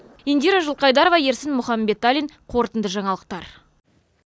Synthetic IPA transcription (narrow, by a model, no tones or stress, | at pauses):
ind̪iɾaʒʊlˠqɑjd̪ɑɾovɑje̞ɾsɪnmʊχɑmbe̞t̪ːalʲiɴqʰo̞ɾt̪ənd̪əʒɑɴɑlˠəq̚t̪ɑɾ